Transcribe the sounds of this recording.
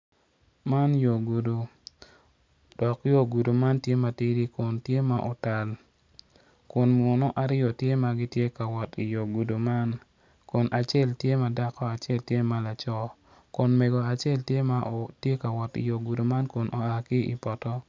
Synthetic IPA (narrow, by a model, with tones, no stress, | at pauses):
ma˦njo˨ɡu˨du˨ | d̥ɔ˨kjo˦ɡu˨du˨ma˦ntje˦ma˨ti˦ɾi˦kʊ˨ntje˦ma˨ʔo˨ta˨l | kʊ˨nmɔ˨nɔ˦ʔa˨ɾɪ˦jɔ˨tje˦ma˨ɡɪ˦tje˦ka˨wɔ˨ti˨jo˨ɡu˨du˨ma˦n | kʊ˨nʔa˨t͡ʃɛ˦ltje˦ma˨da˦kɔ˦a˨t͡ʃe˦˨ltje˦ma˨la˨t͡ʃɔ˦ | kʊ˨nme˨ɡo˨a˨t͡ʃe˦ltje˦ma˦ʔo˨tje˦ka˨wɔ˨tḭ˨jo˨ɡu˨du˨ma˦nkʊ˨nʔo˨a˨kɪ˦ḭ˨pɔ˨tɔ˦